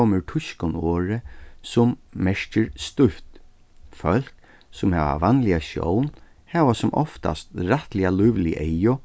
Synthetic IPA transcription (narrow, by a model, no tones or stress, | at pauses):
oməɹʈʰʊʃkʊnoːɹəsʊmmɛʂcəɹst̪ʊft̪ | fœl̥k | sʊmhɛ̰ːʋa̰ʋanlɪaʃjɔ̰wn | hɛːʋasʊmʔɔ̰ft̪a̰st̪ɾat̪lɪalʊʋlɪʔɛjʊ